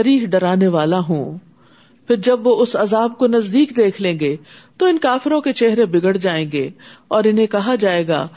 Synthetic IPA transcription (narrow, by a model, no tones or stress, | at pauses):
ɐɾiːɦɖɐɾaːneʋaːlaɦũː | pʰɪɾd͡ʒɐbʋoʊsɐzaːb̚konɐzd̪iːkd̪eːkʰlẽːɡeːt̪oɪnkaːfɪɾõket͡ʃeɦɾebɪɡəɽd͡ʒaːẽːɡeːɔːɾɪnɦẽkɐɦad͡ʒaːeːɡa̰ː